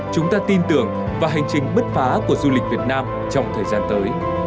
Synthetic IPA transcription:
t͡ɕʊ˨˦ŋ͡mt̪aː˧t̪i˧nt̪ɨ˨˩əŋ | vaː˨˩ɦa˨˩jŋ̟t͡ɕï˨˩ŋ̟ɓə˦˥t̚faː˨˦ku˧˩əzu˧lï˨˩k̟̚vi˨˩ət̚naː˧m | t͡ɕɔ˧wŋ͡mt̪ʰəː˨˩jzaː˧nt̪əː˨˦j

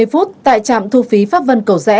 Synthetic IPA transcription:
jfu˦˥t̚t̪a̰ː˧˨jt͡ɕa̰ː˧˨mt̪ʰu˧fi˨˦faː˦˥p̚və˧nkə˧˩wzɛ̰˧˥

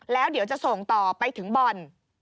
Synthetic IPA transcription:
lɛː˦˥wdi˨˩˦əwt͡ɕa˨˩ʔso˨˩ŋt̪ɔː˨˩pa˧jt̪ʰɯ˩˦ŋbɔː˨˩n

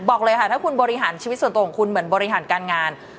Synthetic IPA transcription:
bɔː˨˩k̚lɤː˧jkʰa˥˩t̪ʰaː˥˩kʰu˧nbɔː˧ɾi˦˥ɦaː˨˩˦nt͡ɕʰiː˧˦t̪snt̪ːkʰɔ˨˩˦ŋkʰu˧nmɯ˩˦ənbɔː˧ɾi˦˥ɦaː˩˦nkaː˧nŋaː˧n

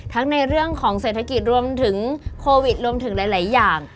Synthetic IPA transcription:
t̪ʰa˦˥ŋna˧jɾɯ˥˩əŋkʰɔː˩˦ŋseː˨˩t̪ʰːa˧ki˨˩t̪̚ɾu˧əmt̪ʰɯ˩˦ŋkʰoː˧wi˨˩t̪̚ɾu˧əmt̪ʰɯ˩˦ŋlaː˩˦jlaː˩˦jːaː˨˩ŋ

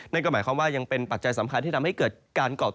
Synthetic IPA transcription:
na˥˩nkɔː˥˩maː˩˦jkwa˥˩mwaː˥˩ja˧ŋpe˧npa˨˩t̪̚t͡ɕa˧jsa˩˦mkʰa˧nt̪ʰiː˥˩a˧mha˥˩jkɤː˨˩t̪̚kaː˧nkɔː˨˩

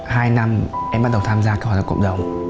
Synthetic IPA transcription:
haː˧jna˧mʔɛ˧mɓa˦˥t̚ɗə˨˩wt̪ʰaː˧mzaː˧kːw̚a̰˧˨˩kə̰˧˨wŋ͡m̚ɗə˨˩wŋ͡m

